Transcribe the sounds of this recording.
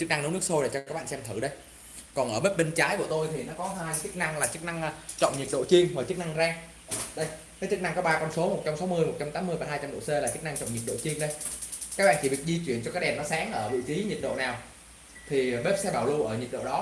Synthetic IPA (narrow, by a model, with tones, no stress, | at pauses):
t͡ɕɨ˦˥k̚na˧ŋn˨˦nɨ˦˥ək̚so˧jlaː˧˩t͡ɕɔ˧kaː˦˥ɓa̰ː˧˨˧sɛ˧mt̪ʰɨ˧˩ɗə˧j | kɔ˨˩nʔəː˧˩ɓe˦˥p̚ɓe˧nt͡ɕaː˨˦jku˧˩ə˩t̪o˧jt̪ʰi˨˩nɔ˨˦kɔ˨˦ɦaː˧jt͡ɕɨ˦˥k̚na˧ŋlaː˨˩t͡ɕɨ˦˥k̚na˧ŋː˧t͡ɕɔ̰˧˨wŋ͡mɲi˨˩t̚ɗo̰˧˨t͡ɕi˧əŋvaː˨˩t͡ɕɨ˦˥k̚na˧ŋzaː˧ŋ | ɗə˧jkaː˨˦t͡ɕɨ˦˥k̚na˧ŋkɔ˨˦ɓaː˧kɔ˧nso˨˦mo˨˩t̚t͡ɕa˧msa˨˦wmɨ˧əjmo˨˩t̚t͡ɕa˧mt̪aː˨˦mɨ˧əjvaː˨˩ɦaː˧jt͡ɕa˧mɗo̰˧˨se˧laː˨˩t͡ɕɨ˦˥k̚na˧ŋt͡ɕɔ̰˧˨ŋ͡mɲ˨˩t̚ɗo̰˧˨t͡ɕi˧əŋɗə˧jkaː˦˥k̚ɓa̰˧˨t͡ɕi˧˩vi˨˩ək̚zi˧t͡ɕwi˧˩ənt͡ɕɔ˧kaː˨˦˥kɗɛ˨˩mnɔ˨˦saː˨˦ŋʔəː˧˩vɨ̰˧˨fi˨˦ɲi˨˩t̚ɗo̰˧˨naː˨˩w | t̪ʰi˨˩ɓe˦˥p̚sɛ˧ɓaː˧˩wlu˧ʔəː˧˩ɲi˨˩t̚ɗo̰˧˨ɗɔ˨˦